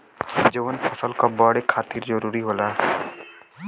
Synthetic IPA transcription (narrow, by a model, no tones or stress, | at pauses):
d͡ʒəʋənpʰɐsəlkabɔɽekʰaːt̪iɾd͡ʒəɾuːɾiɦoːlaː